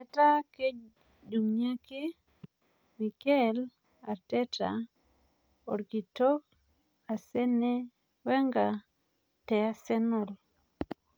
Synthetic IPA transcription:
ɛ˨ta˦ke˦ | d͡ʒu˨ŋɲa˦kɪ˦ | mi˨kɛ˦˨l | a˨tɛ˦ta̰˨ | ɔ̰˨ɾki˨to˦k̚ | a˨sɛ˦nɛ˦ | wɛ˦ŋɡa˨ | tɛ˨a˦sɛ˦nɔ˨l

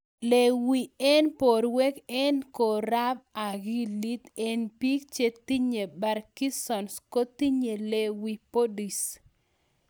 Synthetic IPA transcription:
le˨wi˨ɛ˦npo˨ɾwe˦kɛ˦nko˨ɾa˦b̚a˨ɡi˦li˦t̪e˨npi˦k̚t͡ʃe˦t̪i˦ɲe˨ba˨ɾki˦sɔ˨nsko˦t̪i˦ɲe˨le˨wi˨po˦di˨s

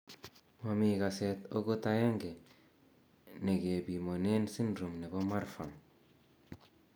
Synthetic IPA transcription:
ma˨miɡa˨seto˦ɡo˦ta˦ja˦ŋɡe˨ | ne˨ɡe˨bi˨mo˨ne˦nsi˦nɾu˨mne˨bo˦ma˦ɾfa˨ŋ

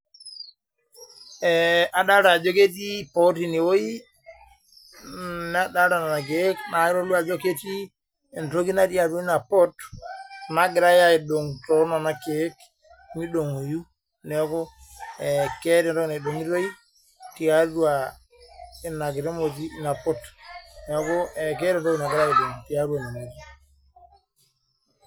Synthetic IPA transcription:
ɛa˨ɗa˦ɾa˨d͡ʒo˦ke˦t̬i˦po˦ti˦ni˨wo˦i˦ | n˦a˦ɗa˦ɾa˨na˨na˨k̬e˦kna˨i˦ɾo˦lu˦a˨d͡ʒo˦ke˦ti˦ | ɛ˨nto˦ɡi˦na˦ti˦a˨tu˦i˦na˨pɔ˦t | na˦ɡi˨ɾa˦ja˦i˨ɗo˨ŋtɔ˦na˨na˨ke˨˦k | mi˦ɗo˨ŋo˨ju˦ | nɛ˨ɔ˦kɔ˦ɛke˦ɾɛ˦nto˦ɡi˦na˨ɗo˨ŋi˦ɾo˦ji˦ | ti˨ja˦du˦a˨ | i˨na˨ɡi˨ɾe˦mo˨d͡ʒ̬i˦na˨pɔ˦tnɛ˨ɔ˦kɔ˦ɛkɛ˦ɾɛ˨nto˦ɡi˨na˨ɡi˦ɾa˦i˨do˨ŋti˨ja˦ɾu˦a˨na˨mo˨d͡ʒi˦

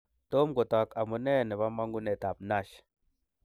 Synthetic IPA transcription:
to˦mɡɔ˨ta˨ka˨mu˨nɛ˦˨nɛ˨βa˦ma˦ŋɡu˦nɛ˨ta˨pna˦˨ʃ

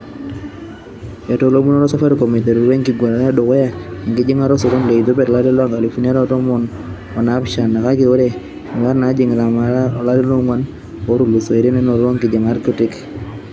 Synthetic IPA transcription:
jɔ˨to˦lo˦mu˦nɔ˦ɾɔ˦sɔ˦fɛ˦ɾkɔ˨mi˨tɛ˨ɾu˨ɾwe˦ŋki˨ɡwa˨ɾa˨ɾa˦dɔ˨kɔ˦ja˦i˨ŋkɪ˦d͡ʒɪ˦ŋa˦ɾɔ˦sɔ˨ɾo˦nle˨i˨to˦bɛ˦ɾla˦dɛ˦lɔ˦a˦ŋɡa˨li˨fu˦na˦ɾɔ˦tɔ˦mɔ˦n | ɔ˨na˦pʃa˨na˨ka˦ki˦˨o˦ɾe˦˨ | wa˦ɾna˨˦d͡ʒɪ˨ŋ˨ɾa˨ma˨la˦ɾɛ˦lɔ˦ŋwa˦n | ɔ˦ɾu˦˨lu˨so˨e˨ɾe˦nɛ˦nɔ˨ɾɔ˦ŋkɪ˨d͡ʒɪ˨ŋa˦ɾko˦tɪ˦k

